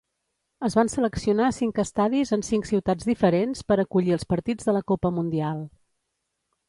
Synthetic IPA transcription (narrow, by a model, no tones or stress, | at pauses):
əzβansələksiunasiŋkəst̪aðizənsiŋksiwt̪ad͡zðifəɾenspəɾəkuʎiəlˠspəɾt̪id͡zðələkopəmund̪ialˠ